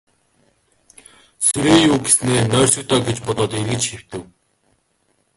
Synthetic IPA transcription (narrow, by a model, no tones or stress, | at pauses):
seɾeːjuːɡesneːnœːr̥ʲsɵ̆k̚t̪ɔːɡet͡ɕpɔt̪ɔːt̪eɾɣɘ̆t͡ɕxew̥t̪ɘ̆w